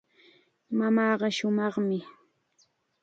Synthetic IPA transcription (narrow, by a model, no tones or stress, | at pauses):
mamɑːɢɑʃʊmɑχmɪ